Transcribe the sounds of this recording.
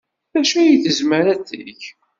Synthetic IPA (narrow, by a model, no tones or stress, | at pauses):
æʃæjiθəzməɾæt͡sḭç